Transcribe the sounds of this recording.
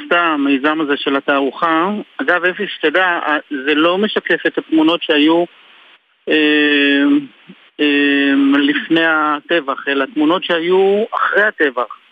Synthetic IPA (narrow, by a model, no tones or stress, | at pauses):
st̪amejzamaze̞ʃe̞lat̪aːʁuχaaɡavefiʃe̥t̪edazelo̞me̞ʃake̞fet̪hat̪muno̞tʃeaju | e | emlifne̞jat̪e̞vaχe̞lat̪muno̞tʃeajuaχʁejat̪e̞vaχ